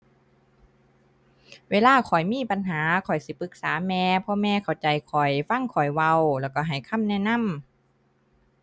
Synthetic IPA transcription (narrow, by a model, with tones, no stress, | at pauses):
weː˧laː˧˩˨kʰɔ˨˩jmiː˧˥˨pa˧˨nɦaː˨˦kʰɔ˨˩jsi˧˦pɯ˧˦k̚saː˨˦mɛː˧pʰɔ˧mɛː˧kʰa˨˩wt͡ɕa˨˩jkʰɔ˨˩jfa˧˥˨ŋkʰɔ˨˩jwa˧wlɛː˧˩wkɔ˧˩ɦa˨˩jkʰa˧˥˨mnɛː˧˥˨na˧˥˨m